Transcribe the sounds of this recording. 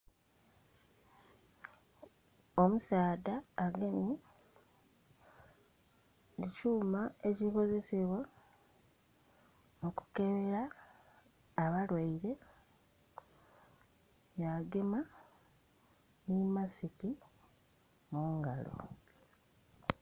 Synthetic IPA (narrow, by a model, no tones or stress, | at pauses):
omusaːdaːɡeni | ecuːmaeciko̞ze̞seβwa | muku̥ke̞βeɾa | βalwaiɾe̞ | jaɡema | nimasiti | muːŋɡalo̞̰